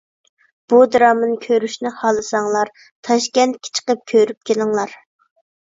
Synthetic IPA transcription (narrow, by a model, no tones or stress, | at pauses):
b̥ud̪ɾɑmɨnkʲʰøɾyʃnɪhɑlˠɨsɑŋlˠɑɾ | t̪ʰɑʃkʲɛnt̪̚kʲʰɪ̥t͡ʃʰə̥qəp̚kʲʰøɾyp̚kʲelɪŋlˠɑɾ